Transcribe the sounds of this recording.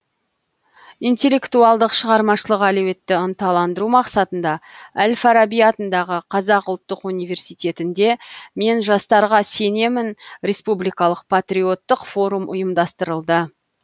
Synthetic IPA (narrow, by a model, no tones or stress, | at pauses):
ijnt̪ʲe̞lʲːe̞kt̪uɑlˠd̪əqʃəʁɑɾmɑʃəlˠəqælewe̞t̪ːɪənt̪ɑlˠɑnd̪əɾumɑqsɑt̪ənd̪ɑælʲfaɾabijɑt̪ənd̪ɑʁəqʰɑzɑqʊlˠt̪ːəqunijve̞ɾsijt̪ʲe̞t̪ɪnd̪e̞me̞nʒɑst̪ɑɾʁɑse̞ne̞mɪnɾʲe̞spublijkɑlˠəq̚pʰat̪rʲio̞t̪ːəqfo̞ɾumʔʊ̰jəmd̪ɑst̪əɾəlˠd̪ə